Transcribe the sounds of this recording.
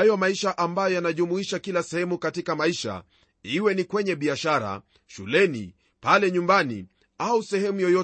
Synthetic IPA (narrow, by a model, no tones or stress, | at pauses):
ajɔmaiʃaʔambajɔjanaʄumuiʃakilasɛhɛmukatikamaiʃa̰ | iwɛnikwɛɲɛɓiaʃaɾa̰ | ʃulɛnḭ | palɛɲumbanḭ | ausɛhɛmujɔjɔ